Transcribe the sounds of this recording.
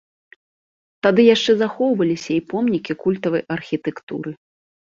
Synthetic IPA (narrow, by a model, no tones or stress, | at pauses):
t̪ad̪ɨjaʂt͡ʂɛzaxɔwvɐlʲisʲɐipɔmnʲikʲikulʲt̪ɐvɐjʔɐrxʲit̪ɛkt̪ṵɾɨ